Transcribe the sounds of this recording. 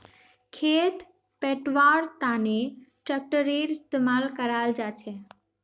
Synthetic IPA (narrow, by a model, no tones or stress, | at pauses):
kʰet̪ | peʈʋaːɾt̪aneʈɾək̚ʈəɾeɾɪst̪emaːlkəɾald͡ʒaːt͡ʃʰe